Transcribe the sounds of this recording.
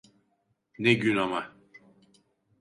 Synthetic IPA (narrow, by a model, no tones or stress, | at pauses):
neɟynama